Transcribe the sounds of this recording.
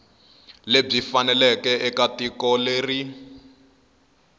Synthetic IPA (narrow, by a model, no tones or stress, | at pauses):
leb͡ʐifanɛlɛkɛʔɛkatikɔleːri